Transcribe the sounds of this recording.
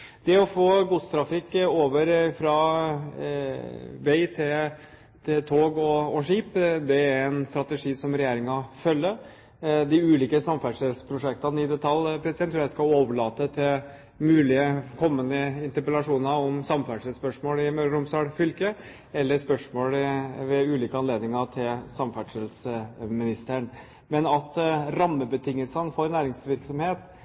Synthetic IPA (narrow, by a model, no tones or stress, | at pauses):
d̪ɛɔfoːɡuːt̪st̪ʰɾɑfɪkːoːʋəɾfɾɑ | ʋeɪt̪ʰɪl | t̪ʰɪt̪ʰoːɡɔɔʂiːpd̪ɛæɾɛnst̪ɾɑt̪əʂiːsɔmɾɛjeːɾɪŋɑfœlːə | d̪ɪʉːliːkəsɑmfæʂəspʰɾʊʂɛk̚t̪ɑnəɪd̪ɛt̪ʰɑlpʰɾɛsɪd̪ɛnt̪ɾːjæɪskɑoːʋəɭɑːt̪ət̪ʰɪl | mʉːlɪəkʰɔmːənd̪əɪnt̪əɾpəlɑʂuːnəɾɔmsɑmfæɖʂəspœʂmoːlɪmœɾɾʊmsɑɽfʏlkə | ɛlːəspœʂmoːlʋɛʉːliːkəɑnleːd̪nɪŋɑt̪ʰɪlsɑmfæɖʂəlsəmɪnɪst̪əɳ | mɛnɑt̪ɾɑmːəbət̪ʰɪŋːəlsənəfoːɾnæːɾɪŋsʋɪɾksɔmheːt̪